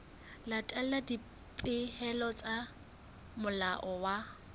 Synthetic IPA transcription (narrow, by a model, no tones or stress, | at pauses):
latʼɛladi | pʼɪhɛlɔt͡sʼa | mʊlaʔɔwa